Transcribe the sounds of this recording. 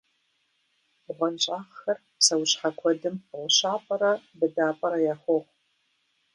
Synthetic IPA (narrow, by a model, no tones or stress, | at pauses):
ʁʷɔnɕʼaːχxɐr | sɐwɕħakʷʰɔdɨmlɕaːpʼɐɾɐbɨdaːpʼɐɾɐjaːχʷɔʁ